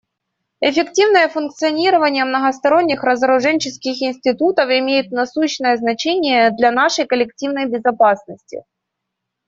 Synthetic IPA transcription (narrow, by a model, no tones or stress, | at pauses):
ɛfʲɪktʲivnəjəfʊnkt̪sɨɐnʲiɾəvənʲɪjəmnəɣɐst̪ɐɾo̞nʲːɪxɾəzəɾʊʐɛnʲt͡ɕɪskʲɪxɪnʲsʲtʲɪt̪ut̪əfɪmʲejɪt̪̚nɐsuɕnəjəznɐt͡ɕenʲɪjəd̪lʲɐnaʂəjkəlʲɪk̚tʲivnəjbʲɪzɐpasnəsʲtʲɪ̰